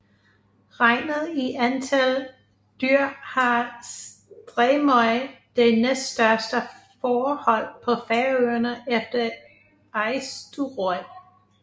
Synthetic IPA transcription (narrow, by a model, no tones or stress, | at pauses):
ʁɑɪ̰nð̩ˠiʔænt͡sʰæl | d̥yɐ̰hɑ̈sd̥ʁɛmɒɪd̥enesd̥sd̥ɶɐsd̥ə | fɒːhɒ̽l̰pʰɒ̽fæːɐøɐnəʔefd̥ɐ | ɑɪsd̥uʁɔɪ